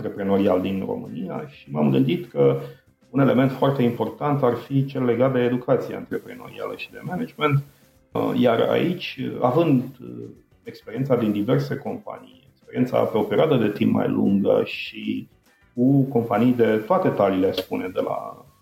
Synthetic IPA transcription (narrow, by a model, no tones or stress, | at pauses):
nɾepɾeno̞ɾiald̪inro̞̰mɨnija̰ʃimamɡɨnd̪it̪kə | une̞le̞me̞nt̪foart̪e̞impo̞rt̪ant̪arfit͡ʃe̞lːe̞ɡat̪̚d̪e̞ːd̪ukʰat̪sieɨnt̪ɾepɾeno̞̰ɾḭa̰lə̰ʃid̪e̞mened͡ʒment̪ | jara̰ʔit͡ʃʲavɨnd̪ | ekspeɾient̪sad̪ind̪ive̞rse̞ko̞mpa̰nijekspeɾient̪sa̰peopeɾiad̪əd̪e̞t̪impma̰jlṵŋɡə̰ʃi | kuko̞mpanijd̪e̞t̪oat̪e̞t̪aliːle̞spuned̪e̞̰la̰